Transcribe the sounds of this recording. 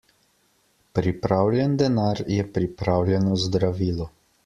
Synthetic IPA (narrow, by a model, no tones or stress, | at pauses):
pɾipɾaːwlʲjɛnd̪ɛnaːɾjɛpɾipɾaːwljɛnɔzd̪ɾaʋiːlɔ